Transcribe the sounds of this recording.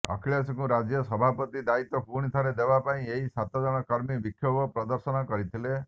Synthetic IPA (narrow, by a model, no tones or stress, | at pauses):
ɔ̰kʰiɭjasɔkuɾad͡ʒjɔsɔbʱapɔt̪id̪ait̪ɔpuɽ̃it̪ʰaɾed̪ebapaĩeisat̪ɔd͡ʒɔ̃ɔkɔɾmibikʰːjɔbɔpɾɔd̪ɔɾsɔnɔkɔɾit̪ʰile